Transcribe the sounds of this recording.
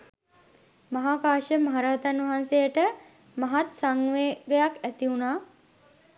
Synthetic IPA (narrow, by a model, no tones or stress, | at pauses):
mɐɦaːkaːʃəmaɦaɾaːt̪anʋɐɦansejəʈə | mɐɦat̪saŋʋeːɡəjakæt̪iunaː